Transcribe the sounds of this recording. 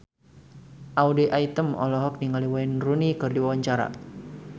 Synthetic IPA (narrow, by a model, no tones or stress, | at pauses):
ʔawdeʔait̪əmɔ̰lɔɦɔk̚niŋaliwainrunikɨrdiwawaɲt͡ʃaɾa̰